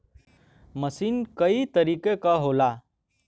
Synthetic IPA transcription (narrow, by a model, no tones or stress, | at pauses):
məsiːnkəit̪əɾikekaɦola